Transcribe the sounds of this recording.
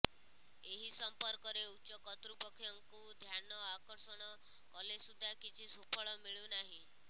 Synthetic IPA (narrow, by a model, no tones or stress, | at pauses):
eɦisɔmpɔɾkɔɾeutːʃɔkɔt̪ɾupɔkʰjɔŋkud̪ʱjanɔakɔɾsɔɽ̃ɔ | kɔlesud̪ʱːakit͡ʃʰisupʰɔɭɔmiɭjunaɦĩ